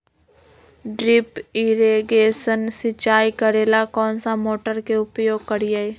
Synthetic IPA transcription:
ɖɾɪpɪɾeɡeːsənsɪt͡ʃaːikəɾeːlakɔːnsamoːʈəɾkeʊpjoːɡ̚kəɾijae

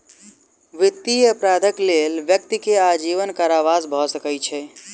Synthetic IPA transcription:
ʋit̪ːiəpɾad̪ʱəklelʋjək̚t̪ikead͡ʒiʋənkaɾaʋasbʱɔsəkəjt͡ʃʰɛ

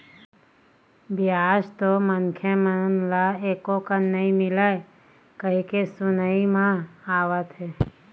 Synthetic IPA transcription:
bjaːd͡ʒt̪omənkʰjəmənlaekokənəĩmɪlae | kəɦikesʊnəimãaːʋət̪e

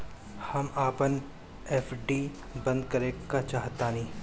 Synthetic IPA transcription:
hɐmaːpən | eːfɖiː | bɐ̃nd̪kɐɾẽːkat͡ʃaːɦt̪aːnĩː

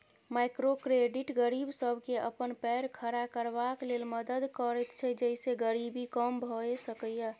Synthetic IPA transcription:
maɪkɾokɾeɖiʈɡəɾibsəbʱkeʔə̰pənpɛɾkʰəɾakəɾbaklelməd̪əd̪kəɾɛt̪t͡ʃʰɛd͡ʒəiseɡəɾibikəmbʱɔesəkəjə

